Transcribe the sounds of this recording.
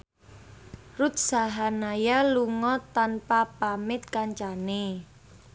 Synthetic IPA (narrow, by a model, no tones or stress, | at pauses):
rut̪̚saɦanajaluŋɔt̪anpapamɪt̪̚kaɲt͡ʃane